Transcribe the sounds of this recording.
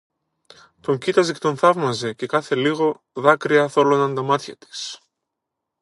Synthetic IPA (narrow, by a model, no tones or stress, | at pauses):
t̪o̞ɲcit̪ɐzcet̪o̞nθɐvmɐze̞ce̞kɐθe̞liɣo̞ | ðɐkɾiɐθo̞lo̞nɐnd̪ɐmɐt̪çɐt̪i̥s